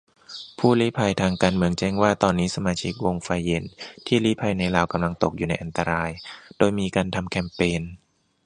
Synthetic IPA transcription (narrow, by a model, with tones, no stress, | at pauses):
pʰuː˥˩liː˦˥˩pʰa˧jt̪ʰaː˧ŋkaː˧nmɯ˧əŋt͡ɕɛ˥˩ŋwaː˥˩t̪ɔː˧nːiː˦˥sa˧maː˧t͡ɕʰi˦˥k̚wo˧ŋfa˧jːe˨˩nt̪ʰiː˥˩liː˦˥pʰa˧jna˧jlaː˧˩wka˧mla˧ŋt̪o˨˩k̚juː˨˩na˧jʔa˧nt̪a˧ɾaː˧jd̥oː˧jmiː˧kaː˧nt̪ʰa˧mkʰɛ˧˥mpeː˧n